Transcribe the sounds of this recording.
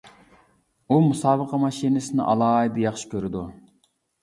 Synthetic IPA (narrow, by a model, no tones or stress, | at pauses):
umusɑːbəqʰɑmɑʃinɪsɪnɪ̰ʔɑ̰lˠɑːid̪ɨjɑχʃi̥kʲʰøɾɪd̪u